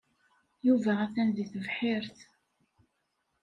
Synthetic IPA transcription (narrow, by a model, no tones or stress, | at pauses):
juvææθænðiθəvħɪɾθ